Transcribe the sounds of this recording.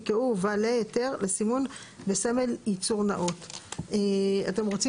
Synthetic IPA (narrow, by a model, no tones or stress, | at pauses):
keuvalejoteʁlesimun | besameljit͡suʁnaʔoteate̞mʁot͡si